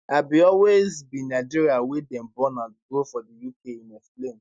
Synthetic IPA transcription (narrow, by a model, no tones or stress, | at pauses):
abiɔlwezbĩnaɪd͡ʒiɹiawedɛ̃mbɔ̃nãnɡofɔdijukʰeĩneflẽm